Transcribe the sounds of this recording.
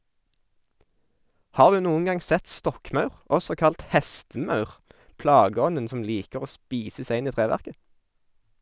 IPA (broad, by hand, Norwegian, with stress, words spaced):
ˈhɑːʁ ˈdʉː ˈnuːən ˈɡɑŋ ˈsɛt ˈstɔkˌmɑʉʁ ˈɔsɔ ˈkɑlt ˈhɛstəˌmɑʉʁ ˈplɑːɡəˌɔnən ˈsɔm ˈliːkəʁ ˈoː ˈspiːsə ˈsæɪ ˈɪn ˈiː ˈtʁeːʋæʁkə